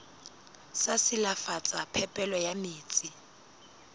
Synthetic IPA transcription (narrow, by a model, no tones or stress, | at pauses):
sasɪlafat͡sʼapʰɛpʼɛlɔjamiːt͡sʼɪ